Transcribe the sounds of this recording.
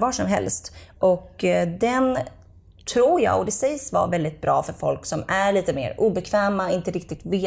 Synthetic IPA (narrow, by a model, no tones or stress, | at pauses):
vɑːʂɔmɦɛ̰lst̪ʔɔkd̪ɛn | t̪ʰɾuːɾjɑ̰ːɡɔd̪ɛsɛjsvɑ̰vɛld̪ɪt̪̚bɾʔɑ̰ːfœɾfɔ̰lksɔmæɭiːt̪əmḛːɾuːbɛkʰvɛːmaɪnt̪əɾɪk̚t̪ɪɡ̚t̪veː